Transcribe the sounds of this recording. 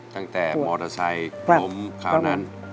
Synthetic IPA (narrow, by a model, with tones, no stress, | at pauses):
t̪a˧˥˩ŋt̪ɛː˨˩mɔː˧ɾa˧sa˧jko˧˦˥mkʰaː˧˩na˦˥n